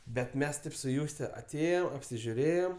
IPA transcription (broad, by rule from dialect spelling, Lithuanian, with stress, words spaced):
bʲɛt ˈmʲɛs ˈtɐɪp sʊ ˈjuːsʲtʲɛ ɐˈtʲeːjoːm ɐpʲsʲɪʒʲʊˈrʲeːjoːm